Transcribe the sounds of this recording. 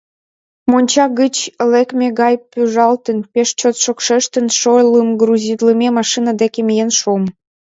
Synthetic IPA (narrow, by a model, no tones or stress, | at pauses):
monʲt͡ɕɑɣət͡ɕəlekmeɣɑjpyʒɑlt̪ənpeʃt͡ɕot̪ʃokʃeʃt̪ənʃojləmɡruzʲid̪ləmemɑʃinəd̪ekemijenʃuəm